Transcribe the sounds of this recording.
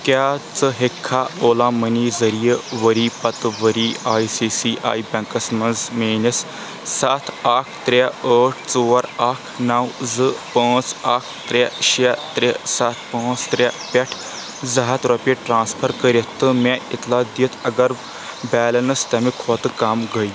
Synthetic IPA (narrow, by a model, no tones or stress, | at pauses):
kaːt͡sɨɦekʰːaːoːlaːmɐnizɐɾijeʋəɾiːpɐt̪ʋəɾiːaːisiːsiːʔa̰ːibʲɐ̃ŋkɐsmɐnzmeːnɐsː | at̪ʰakʰt̪ɾeəːʈʰt͡soːɐɾaːkʰnawzɨpə̃ːt͡saːkʰt̪ɾaɕat̪ɾesat̪̚ʰpə̃ːt͡st̪ɾapɛʈʰ | zɐɦat̪ɾɔpeʈɾãːnspʰəɾkəɾʲet̪ːəmẽit̪ʰlad̪it̪ʰɐɡɐɾ | bɛːlənst̪amikʰɔːt̪kaːmɡəj